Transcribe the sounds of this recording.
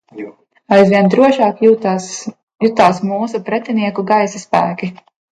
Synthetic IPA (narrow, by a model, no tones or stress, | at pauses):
ajzvʋiɛnd̪ɾuɔʃɑːk | jut̪aːsmuːsupɾɛt̪ʲiniɛkuɡajsaspæːkʲi